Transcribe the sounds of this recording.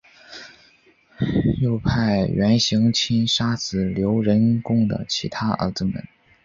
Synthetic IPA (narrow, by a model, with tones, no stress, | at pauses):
jo˥˧ʊpʰa˥˩ɪɥɛ˧˥nɕi˧˥ŋt͡ɕʰi˥nʂa˥sɹ̩˨˩ljo˧˥ʊɻə˧˥nkʊ˥ŋd̪ə̰˨t͡ɕʰi˧˥t̪ʰa˥ə̰˞˧˥d͡zɹ̩˥˩mə̰˨˩˦n